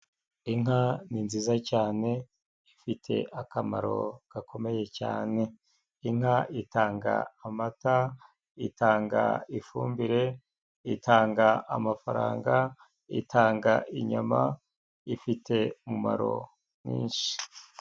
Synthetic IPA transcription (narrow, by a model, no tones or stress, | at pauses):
iŋɦaninziːzacaːne̞ | ifitʰe̞̰ʔakamaɾo̞̰ɡ̥akʰo̞me̞je̞ca̰ːne̞ | iŋaʔitaːŋɡa̰ːmata | itʰaːŋɡa̰ifuːmbiɾe̞ | itʰaːŋɡaʔamafaɾa̰ːŋɡa | ḭtʰaːŋɡaʔiɲama | ifitʰe̞umuma̰ɾo̞̰ | mḭːnʃi̥